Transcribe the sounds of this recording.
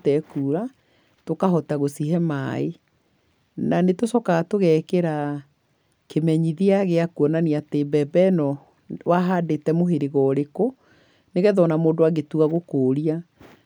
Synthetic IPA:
tɛkuːɾa | tokaɦɔtaɣosiɦɛmae | nanetosɔkaɣatoɣɛkeɾa | kemɛɲiðiaɣeakuɔnaniatebɛbɛnɔ | waɦadetɛmoɦeɾeɣɔɾeko | neɣɛðɔnamoːndowaɡetuɣaɣokoːɾia

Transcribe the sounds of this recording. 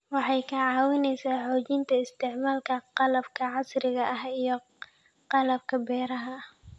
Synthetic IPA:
wɑħɑjkʰɐʕɑːwɪnɛjsaːħoːt͡ʃɪnt̪ʰɐɪst̪ʰɪʕmaːlkʰɐqɑlɐb̚kʰɐʕɑsɾɪɣɐʔɐɦijɞ | qɑlɐb̚kʰɐbɛːɾɐɦɐ

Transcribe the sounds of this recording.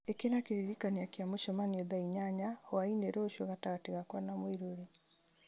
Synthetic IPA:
ekenakeɾiɾikaniakjamoʃɔmanioðaiɲaɲahoaineɾoʃwoɣataɣateɣakwanamwiɾoɾe

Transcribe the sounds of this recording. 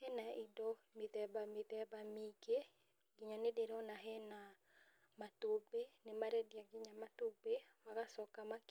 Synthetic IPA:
hɛnaidɔ | mit̪ɛbamit̪ɛbamiɡe | ɡɪɲanedeɾɔnaɦɛna | matobenɪmaɾɛdjaɡɪɲamatobewakasɔkamak

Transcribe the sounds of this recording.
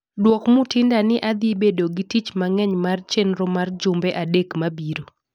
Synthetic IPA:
dwɔkmʊtɪndanɪʔad̪ibedoɡitit͡ʃmaŋɛɲmart͡ʃenɾomard͡ʒʊmbɛʔadekmabiɾo

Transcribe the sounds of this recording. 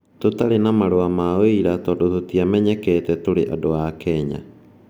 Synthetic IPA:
totaɾenamaɾoamaoeiɾatɔːdototiamɛɲɛkɛːtɛtoɾeʔadoakɛɲa̰

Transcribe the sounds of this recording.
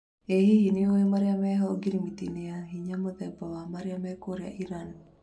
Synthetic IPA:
eɦiɦiniowemaɾiameɦɔlɡiɾimit̪ineaɦiɲamət̪ɛbawamaɾiamɛkoɾea̰ʔiɾan

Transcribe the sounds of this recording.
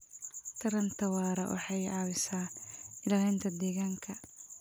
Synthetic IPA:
t̪ʰɐɾɐnt̪ʰɐwɑːɾɐ̰wɑ̰ħɑjɑːwɪsaːɪlɐlɛnt̪ʰɐd̪ɛːɣaːŋkʰɐ

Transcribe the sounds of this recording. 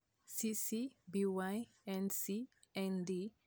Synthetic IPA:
sisibiwaj | ɛ̃nsi | ɛ̃ndi

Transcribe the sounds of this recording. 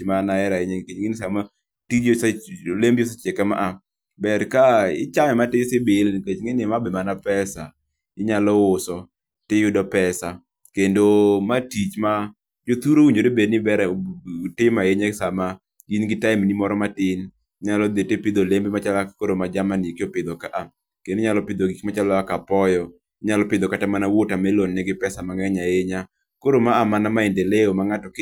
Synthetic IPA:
manaɛɾaeɲekeŋɪnsama | tid͡ʒslembiɔsɛt͡ʃɛkɛma̰ʔa | bɛrkaɪ̰t͡ʃamɛmatɪsɪbelnket͡ʃŋenɪmabɪmanapɛsa | ɪɲalɔʊsɔ | tɪjʊdɔpɛsa | kendomatit͡ʃma | d͡ʒot̪uɾowuɲoɾebednɪbɛɾɛtɪmaeɲasama | inɡɪtaɪmnimɔɾɔmatɪn | ɲalɔd̪etepɪd̪olembemat͡ʃalakoɾomad͡ʒamanɪekɪɔpɪd̪ɔkaʔa | keneɲalɔpɪd̪oɡikmat͡ʃalɔakapɔjɔ | ɲalɔpɪd̪ɔkatamanawotamɛlonːɛɡɪpɛsamaŋɛɲajeɲa | koɾomaamanamaendeleomaŋatɔk

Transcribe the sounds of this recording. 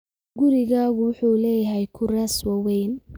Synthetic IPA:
ɡʊɾɪɣaːɣʊwʊħuːlɛːjɐɦɛjkʰʊrɛswɑwɛjn

